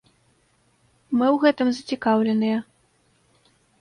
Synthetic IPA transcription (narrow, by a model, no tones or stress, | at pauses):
mɨwɣɛt̪ɨmzɐt͡sʲikawlʲɛnɨjɐ